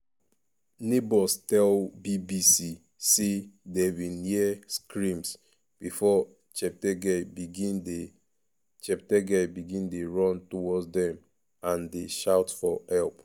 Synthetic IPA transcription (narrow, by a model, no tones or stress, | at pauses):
nebɔstɛlbibisi | sedewĩnhiɛskɹĩms | b̥ifɔ | t͡ʃɛp̚tɛɡɛbiɡĩnde | t͡ʃɛptɛɡɛbiɡĩndeɹɔ̃ntɔwɔdzdɛ̃m | ãndeʃaʊtfɔhɛlp